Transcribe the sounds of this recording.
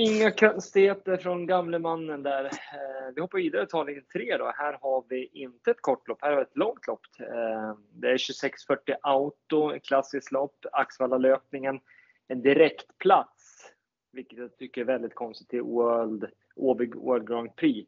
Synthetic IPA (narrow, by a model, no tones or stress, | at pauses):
ɪŋːakʰœnst̪ɪheːt̪əɾfɾɔnɡamləmanːənd̪æɾvɪhɔpːaɾviːd̪aɾət̪ʰɑːlɪɡənt̪ʰɾeːd̪ɔ̰hæːɾhaɾvɪʔɪnt̪əɛt̪̚kʰɔʈːlɔpːhæːɾhavɛt̪lɔŋt̪ʰlɔpːt̪ | d̪ɛæɾɕɵsɛksfœʈːɪʔaʊt̪ʊɛkʰlasːɪsklɔpːaksvalːaløːpnɪŋən | ɛnd̪ɪɾɛkt̪pʰlat̪s | vɪkːət̪jat̪ʰʏkːəɾɛvɛld̪ɪt̪kʰɔnst̪ɪ̥t̪ʰːɪlwœld̪ | ʔoːbœːld̪̚ɡɾaʊnt̪̚pʰɾiː